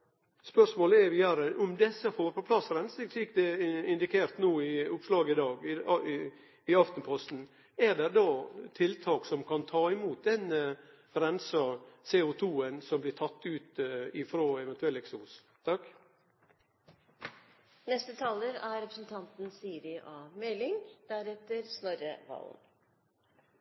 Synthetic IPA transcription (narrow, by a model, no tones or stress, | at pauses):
spœʂmoːləɛɾʋɪæɾəʔɔmd̪ɛsːəfoːɾpʰɔpʰlɑsɾɛnsɪklɪːkd̪ɛɪnd̪ɪkʰeːɾt̪nuːɪʊpslɑːɡɪd̪ɑːɡɪ | ɪɑft̪npʰɔst̪n̩ | ɛɾɖ̪ɛɾd̪ɑːt̪ʰɪlt̪ʰɑːksɔmkʰɑnt̪ʰɑːɪmuːt̪̚d̪ɛn | ɾɛnsɑseːʊt̪ʰuːənsɔmblɪt̪ʰɑt̪ːʉːt̪ɪfɾoːɛʋɛnt̪ʉɛlɛksus | t̪ʰɑk | nɛst̪ət̪ʰɑːləɾæɾɛpɾəsn̩t̪ʰɑnt̪n̩siːɾɪʔɑːmɛlɪŋd̪̥æɾɛt̪əɾsnɔɾə̰ʋɑ̰ːln